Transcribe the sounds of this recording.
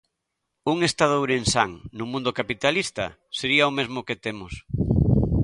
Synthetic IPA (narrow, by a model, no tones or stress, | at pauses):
uŋest̪aðowɾensaŋnʊmũnd̪okapit̪alist̪ɐ̰ | seɾiaomezmʊket̪emʊs